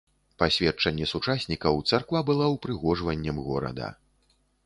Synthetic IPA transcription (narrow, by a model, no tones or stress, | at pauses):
pasʲvʲɛt͡ʂɐnʲːɛsut͡ʂasʲnʲikɐwt̪sarkvabɨlˠawpɾɨɣɔʐvɐnʲːɐmɣɔɾɐ̰d̪ɐ̰